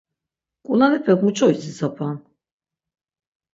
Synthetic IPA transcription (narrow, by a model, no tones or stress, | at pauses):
kʼulanɛpʰɛkmut͡ʃʰʼɔjsisapʰan